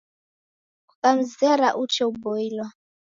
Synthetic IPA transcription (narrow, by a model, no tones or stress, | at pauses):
ukʼam̩zɛɾaʔut͡ʃʰɛubɔilwa